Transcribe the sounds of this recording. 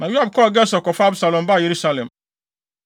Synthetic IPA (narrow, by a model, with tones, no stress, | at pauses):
nã˨ju˦a˦˨b̚kʰɔ˦ɡɛ˦sɔ˨kɔ˨fa˦bsa˨lɔ̃˨mba˦˨je˨ɾu˦sa˦lɛ̃˨m